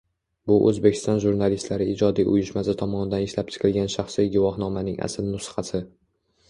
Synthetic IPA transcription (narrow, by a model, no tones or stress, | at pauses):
bʊʔɵ̰zbekʲɪ̥st̪ɒnʒuɾnalist̪laɾɪid͡ʒɒd̪ijʔʊ̰jɪʃmasɪt̪ʰɒmɒnɪd̪anɪʃlap̚t͡ʃʰɪ̥qʰɨlˠɡʲanʃaχsijɡʊvɒhnɒmanɪŋa̰sɪlmʊsɨ̥χɑsɪ